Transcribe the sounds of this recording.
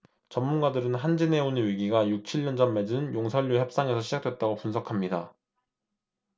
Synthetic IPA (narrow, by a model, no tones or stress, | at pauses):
t͡ɕʌmmːunɡadɯɾɯnɦand͡ʑine̞unɯɥiɡiɡajuk̚t͡ɕʰiʎːʌnd͡ʑʌnme̞d͡ʑɯnjoŋsʰʌʎːjuçjʌp̚s͈aŋe̞sʰʌɕʰid͡ʑak̚d͈we̞t̚t͈aɡopunsʰʌkʰamɲida